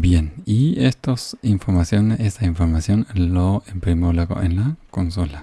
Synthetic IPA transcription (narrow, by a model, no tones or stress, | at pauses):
bjeniest̪osiɱfoɾmasjonest̪aiɱfoɾmasjonloempɾimolaɣo̰ʔenlakonsula